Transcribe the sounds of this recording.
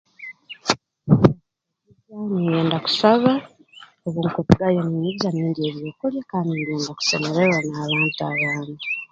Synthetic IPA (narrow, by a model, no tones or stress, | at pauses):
izanijeːndaku̥saβa | oβuŋkutiɡajomumizaniːndie̞βjoːkoljekanijeːndaku̥semelewanaːβaːntuaːβaːna